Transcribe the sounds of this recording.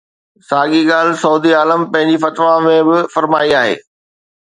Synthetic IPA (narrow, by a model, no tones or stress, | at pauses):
saːɡiɠaːlɪsɐʊd̪iaːləmpɐ̃ɦɪ̃ɲd͡ʑifɐt̪ʋamẽbɪfɐɾmaːiaːɦḛː